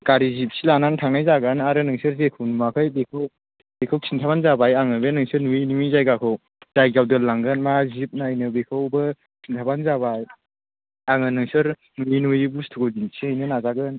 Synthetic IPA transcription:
kaɾizip̚silanantʰaŋnajzaɡanaɾɯnɯŋsɯɾzekʰunmakʰajbekʰɯw | bekʰɯwsʰintʰabanzabajaŋɯbenɯŋsɯɾnuinumizajɡakʰɯw | zajɡawdɯlaŋɡɯnmazip̚najnɯbekʰɯwbɯ | sʰintʰabanzaβaj | aŋɯnɯŋsɯɾ | nuinujbustʰuɡɯwzinsʰiajnɯnazaɡɯn

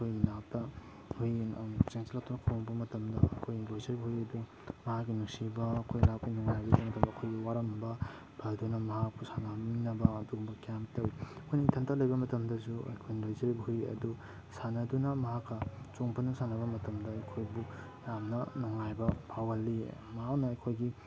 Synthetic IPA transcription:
kʰojnap̚tɐ | hujt͡ʃeŋt͡ʃalak̚tʰunɐkʰowŋbɐmɐtɐmdɐkʰojlojzɐɾibɐɦujɐdu | mɐhakːinuksibɐɐkʰojlap̚kijnɔŋajbɐbɐmɐtɐmdɐkʰojɡiwaɾɐmbɐ | b̥ɐdunɐmɐɦak̚pusanabinɐbɐːduɡumbɐkjamtɐwiɐkʰojnitʰɐntʰalɐjbɐmɐtɐmdɐsuɐ̰jkʰojnɐlojzɐɾibɐhujɐ̰du | sanɐdunɐmɐɦakːɐt͡ʃoŋpʰanːɐsanɐbɐmɐtɐmdɐːjkʰojbu | jamnɐnɔŋajbɐpʰawɐlːimɐɦaknɐːjkʰojɡi

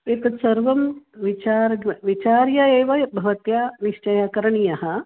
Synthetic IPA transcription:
eːt̪ɐt̪sɐɾʋɐmʋit͡ʃaːɾɡɐʋit͡ʃaːɾjɐeːʋɐbʱɐʋɐt̪jaːniʃt͡ʃɐjakɐɾɐɳijɐɦɐ

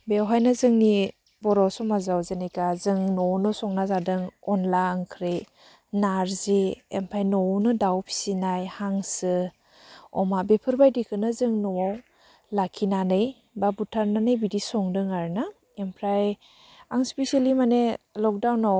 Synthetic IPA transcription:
bewɦajnazɯŋni | bɔɾɔsɔmazawzenejkazɯŋnɔnɯsɔŋnazadɯŋɔnlaŋkʰɾe | naɾzeempʰajnɔwnɯdawpʰi̥sinajhaŋsɯ | ɔ̰mabepʰɯɾbajdikʰɯnɯzɯŋnɔwaw | lakʰinanɯj | babutʰaɾnanɯjbidisɔŋdɯŋaɾna | empʰɾaj | aŋspesialimanelɔk̚dawnɔ

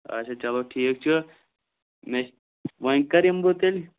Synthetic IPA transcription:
ɐ̰t͡ʃʰat͡ʃɐloʈʰiːk̚t͡ʃʰɨ | me | ʋɐŋkɐɾimbot̪elʲi

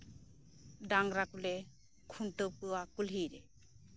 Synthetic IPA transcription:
ɖaŋɾakulɛ | kʰunʈəwpɯwakulɦiɾɛ

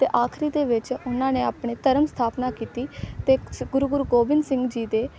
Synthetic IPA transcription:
t̪eːʔaːkʰɾiːd̪eːʋɪt͡ʃʊnãːneːaːpɳeːt̪əɾəmst̪ʰaːpnaːkiːt̪iːt̪eːɡʊɾuɡʊɾuːɡoːbɪnsɪ̃ŋɡd͡ʒiːd̪eː

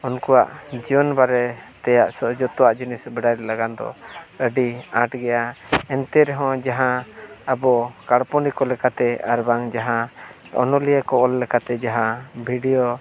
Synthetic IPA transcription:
ɔnkuwa̰ʔd͡ʒiɔnbaɾɛt̪ɛjaʔsɔd͡ʒɔt̪ɔwaʔd͡ʒinisbɛɖajlɛlaɡand̪ɔ̰əɖiaʈɡɛjaɛnt̪ɛɾɛɦɔ̃d͡ʒaɦãabɔkaɽpɔnikɔlɛkat̪ɛaɾbaŋd͡ʒaɦã | ɔ̰nɔlijəkɔɔlːɛkat̪ɛd͡ʒaɦãbʱiɖijɔ

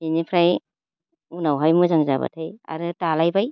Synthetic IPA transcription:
inipʰɾaj | unawɦajmuzaŋza̰ba̰tʰaja̰ɾɯtalajbaj

